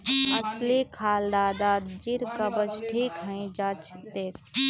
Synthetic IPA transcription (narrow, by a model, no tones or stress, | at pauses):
ɐslikʰaːld̪aːd̪aːd̪d͡ʒiɾkɐbəd͡ʒʈʰiːkɦə̃ĩd͡ʒaːt͡ʃd̪eːkʰ